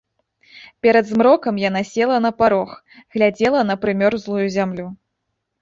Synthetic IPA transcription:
pʲɛɾɐd̪zmɾɔkɐmjan̪asʲɛlˠɐn̪ɐpaɾɔx | ɣlʲad͡zʲɛlˠɐnɐpɾɨmʲɔɾzlˠujuzʲamlʲu

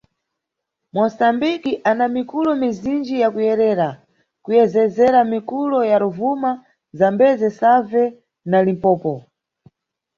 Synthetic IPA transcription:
mwɔsambikiʔanamikulɔmizind͡ʒijakujɛɾɛːɾa | kujɛzɛzɛɾamikulɔjaɾuvuma | zambɛzɛsavɛ | nalimpɔːpɔ

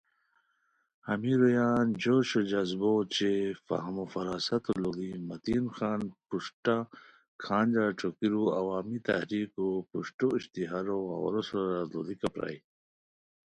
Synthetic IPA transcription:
hɐ̰miɾojaːnd͡ʑoːɕod͡ʑɐzbot͡ɕefa̰ɦmofɐɾaːsɐt̪olod̪imɐt̪iːnxaːnpuʂʈa | kʰãːnd͡ʑaʈ͡ʂʰokiɾuɐwaːmit̪ɐ̰hɾiːkopuʂʈoiɕt̪iɦaɾoa̰wɐ̰ɾosɾazlo̰d̪ikɐpɾa̰j

